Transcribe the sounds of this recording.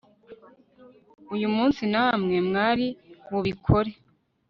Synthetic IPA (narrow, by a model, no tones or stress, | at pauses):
ujumuːnsinamŋe̞mŋaːɾiwuβikʰoɾe